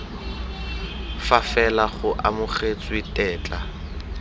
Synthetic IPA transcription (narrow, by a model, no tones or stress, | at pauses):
fafɛlaχʊʔamʊχet͡sʼwitʼɛːt͡ɬʼa̰